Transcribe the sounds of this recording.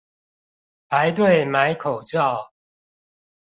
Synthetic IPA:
pa˨˦ɪt̪̬we˥˨ɪma˨˦ɪkʰo˨˩ʊt͡ɕɑ˥˨ʊ

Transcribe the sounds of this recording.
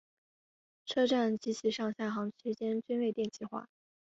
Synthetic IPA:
ʈ͡ʂʰɤ˥ʈ͡ʂa˥˩nt͡ɕi˧˥t͡ɕʰi˧˥ʂɑ˥˧ŋɕja˥˩xɑ˧˥ŋt͡ɕʰy˧˥t͡ɕjɛ˥nt͡ɕi˥nwe˥˧ɪt̪jɛ˥˧nt͡ɕʰi˥˩xwa̰˥˩

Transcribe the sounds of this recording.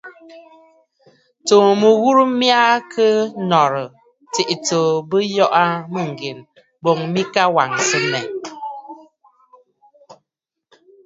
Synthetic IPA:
toː˨mə˨ɣu˦ɾu˦mja˦kʰə˦nɔ˨ɾə˨ | ti˨ʔi˨to˨bə˦jɔ˦ʔa˦mə˦˨ŋ̩˨ɡe˨n | bo˨ŋmi˦ka˦wa˨ŋsə˦mɛ˨

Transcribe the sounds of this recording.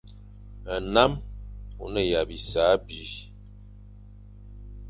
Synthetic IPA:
ə˨na˦mṵ˨nə˦˨ja˨bi˨sa˨˦bi˨˦

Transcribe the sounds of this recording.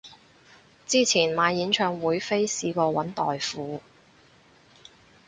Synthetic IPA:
t͡siː˥t͡sʰiː˨˩nmaː˨˧jjiː˨˥nt͡ʃʰœː˨ŋwuː˨˧jfe˥jsiː˧kɔː˧wɐ˨˥nt̪ɔː˨jfuː˨˦

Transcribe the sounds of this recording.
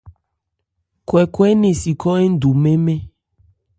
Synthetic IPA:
kwɛ˨kwɛ˦nẽ˨si˨kɔ˦e˦ŋ̩˦du˨mẽ˦mẽ˦

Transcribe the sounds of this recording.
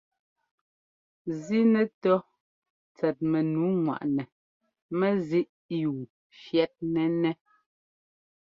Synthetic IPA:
zi˦nɛ˨tɔ˦ | t͡sɛ˨t̚mɛ˨nu˨˦ŋwa̰˨ʔnɛ˨ | mɛ˦zi˦ʔ | juː˨ | fjɛ˦t̚nɛ˦nɛ˦

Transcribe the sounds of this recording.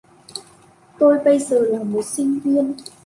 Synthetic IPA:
t̪o˧jɓə˧jzəː˨˩laː˨˩ŋmo˨˩t̚si˧ŋvi˧ən

